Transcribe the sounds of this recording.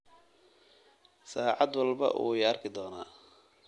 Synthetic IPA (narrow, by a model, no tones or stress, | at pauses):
saːʕɑd̪wɑlbɐ̰ʔṵːjɐrkʰɪd̪ɔːnaː